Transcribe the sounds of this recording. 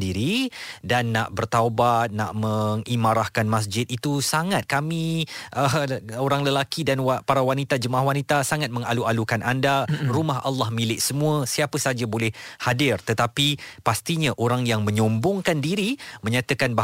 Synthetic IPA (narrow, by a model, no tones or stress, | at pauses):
diɾidanːaʔbərt̪awbat̪̚na̰ʔməŋimaɾahkanmas̬d͡ʒɪt̪̚it̪usaŋat̪̚kamiʔəoɾaŋləlakidanwpaɾawanit̪ad͡ʒəmaʔaɦwanit̪asaŋat̪̚mə̃ŋalualukanʔandarumaɦa̰lːahmilɪʔsəmũəsiapəsad͡ʒabolɛhhadɪrt̪ət̪apipast̪iɲaʔoɾaŋjaŋmə̃ɲɔmbʊŋkandiɾimə̃ɲat̪əkanba